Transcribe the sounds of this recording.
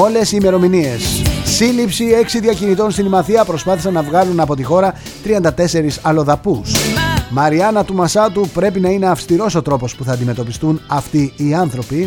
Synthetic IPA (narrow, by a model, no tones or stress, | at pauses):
o̞le̞siːme̞ɾo̞minie̞sːilipsie̞ksiðʝɐcinit̪o̞nst̪inimɐθiɐpɾo̞spɐθisɐnːɐvɣɐlunɐpo̞t̪ixo̞ɾɐ | t̪ɾiɐnd̪ɐt̪e̞se̞ɾisɐlo̞ðɐpusmɐɾiɐnɐt̪umɐsɐt̪upɾe̞pinɐine̞ɐfst̪iɾo̞so̞t̪ɾo̞po̞spuθɐnd̪ime̞t̪o̞pist̪unɐft̪iːɐnθɾo̞pi